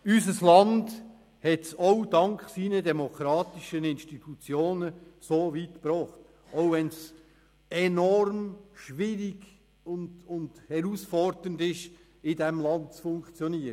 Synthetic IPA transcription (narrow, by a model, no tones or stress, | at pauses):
yzəslɑnd | hɛtsoʊdɑŋkχsiːnədɛmokʰɾɑːtɪʃənɪnʃtitʰut͡sjoːnəsoːviːtpɾɔːχt | oʊvɛns | ɛnɔɾmʃvɪɾiɡ̥ | ʊndʊndhɛɾusfɔrdəndɪʃ | ɪdɛmlɑnt̚t͡sfʊŋkt͡sjɔniːəɾə